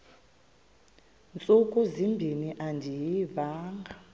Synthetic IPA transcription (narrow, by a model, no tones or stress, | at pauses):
nt͡sʼukʼuzimbʱiniʔandʱijivaːŋɡʱa